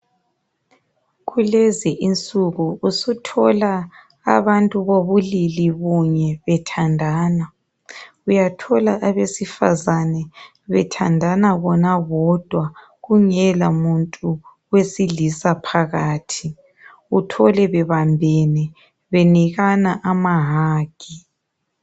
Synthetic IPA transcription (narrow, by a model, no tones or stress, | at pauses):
ɣuleziʔint͡sʼuɣuusutʰɔla̰ː | βantʼuβoβuliliβuɲɛβɛtʰandʱaːna | ujatʰɔlaʔaβesifa̰zanɛ | βɛtʰa̰ndʱanaβɔnaɣɔd̥ʱwa | ɣuŋɛlamuntʼu | wesiɮisapʰaɣaːtʰi | utʰɔlɛβɛβambʱɛnɛ | βeniɣanaʔamaɦaːɡ̥ʱi